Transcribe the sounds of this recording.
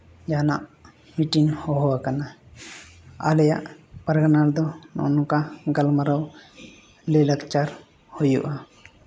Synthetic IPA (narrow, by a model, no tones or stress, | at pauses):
d͡ʒanaʔ | miʈinhɔɦɔwakana | a̰lɛja̰ʔpəɾɡanaɾd̪ɔnɔ̰nɔkaɡalmaɾaw | lelakt͡ʃaɾ | hojṵʔa